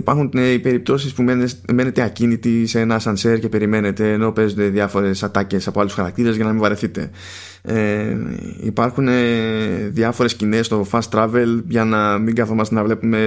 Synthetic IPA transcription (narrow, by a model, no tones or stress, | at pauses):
ipɐɾxuneipeɾip̚t̪o̞sispume̞ne̞t̪e̞ɐcinit̪iseenɐsɐnseɾcepe̞ɾime̞ne̞t̪e̞ːno̞pe̞zond̪e̞ðjɐfo̞ɾe̞sɐt̪ɐce̞sɐpoɐlusxɐɾɐk̚t̪iɾe̞zʝɐnɐmiɱvɐɾeθit̪e̞̰ | e | ḭpɐɾxune̞ðjɐfo̞ɾe̞scine̞st̪o̞fɐst̪ɾɐve̞lʝɐnɐmiŋɡɐθo̞mɐst̪e̞nɐvle̞pume̞